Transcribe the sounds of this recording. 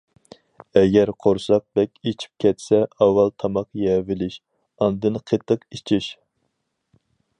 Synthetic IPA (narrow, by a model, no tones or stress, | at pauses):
ɛɡʲɛɾqʰoɾsɑq̚bɛkʲet͡ʃʰi̥p̚kʲʰɛt̪sɛɑwːɑlˠt̪ʰɑmɑqjɛvɪlɪʃ | ɑnd̪ɨnqʰet̪ʰːəqit͡ʃʰiʃ